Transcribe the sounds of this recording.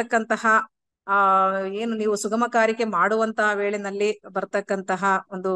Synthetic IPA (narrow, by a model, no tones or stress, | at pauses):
ɐkːɐnt̪ɐɦɐ | e̞ːnuniːʋusuɡɐmɐkaːɾike̞maːɽuʋɐnt̪ɐɐʋe̞ːɭɛnɐlːibɐɾt̪ɐkːɐnt̪ɐɦɐond̪u